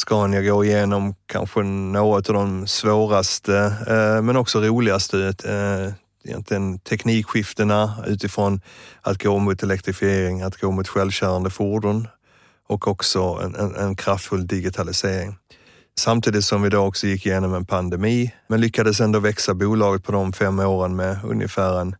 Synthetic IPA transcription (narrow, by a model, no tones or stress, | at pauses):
skɑnjaɡoːɪjeːnɔmkʰa̰nɧənoːɡɔt̪avd̪ɔmsvoːɾast̪əmɛnɔksɔɾuːlɪɡast̪ə | ɛjɛ̰nt̪lɪɡənt̪ʰɛkniːkɧɪft̪ənaʉ̟ːt̪ɪfɾɔnat̪̚ɡoːmʊt̪ɛlɛk̚t̪ɾɪfɪeːɾɪŋat̪ɡoːmʊt̪ɧɛlvɕæɾand̪əfuɖʊn | ɔkɔksɔɛ̰nɛɛnkʰɾaft̪fɵld̪ɪɡɪt̪ʰalɪseːɾɪŋ | samt̪ʰiːd̪ɪt̪sɔmvɪd̪oːɔksɔjɪkːɪjeːnɔmɛnpʰand̪ɛmiːmɛnlʏkːad̪əs̬ɛnd̪oːvɛksabuːlɑːɡət̪̚pʰɔd̪ɔmfɛmːoːɾənmɛɵ̰njə̰fæːɾɛn